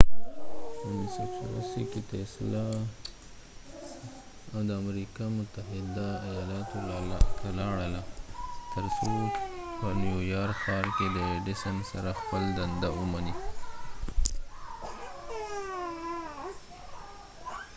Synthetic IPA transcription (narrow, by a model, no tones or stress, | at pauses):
nsakʃla̰sikit̪esla | d̪əamɾikɑmʊt̪aɦɪd̪aːjɑlɑt̪ot̪ʰalɑɽəlat̪əɾsopənjujɑɾkxɑɾkeləeɖisənsaɾaxpəld̪and̪awumani